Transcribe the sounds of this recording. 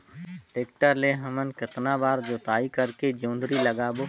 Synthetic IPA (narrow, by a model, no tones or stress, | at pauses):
ʈeːk̚ʈəɾleɦəmənkɪt̪nabaːɾd͡ʒoːt̪aːikɐɾked͡ʒõːnd̪ɾiləɡaːbo